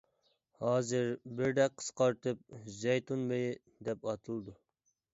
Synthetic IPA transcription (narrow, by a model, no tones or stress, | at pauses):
hɑːzɨɾbɪɾd̪ɛqʰːə̥sqɑɾt̪ʰɨp̚zɛjt̪ʰunmej | d̪ɛpɑt̪ʰɨlˠd̪u